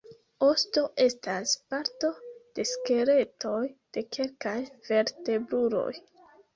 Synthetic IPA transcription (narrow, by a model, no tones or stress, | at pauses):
o̞sto̞ʔe̞staspaɾto̞d̥e̞ske̞ɾe̞to̞jd̥e̞kʰe̞lkajv̥e̞ɾte̞bluɾo̞̰j